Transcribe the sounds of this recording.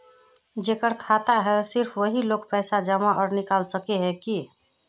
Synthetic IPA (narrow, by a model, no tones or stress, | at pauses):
d͡ʒeːkəɾkʰat̪aɦɛsɪɾpʰʋəɦiloːkpɛːsad͡ʒəmaɔːɾnikaːlsəkeɦɛki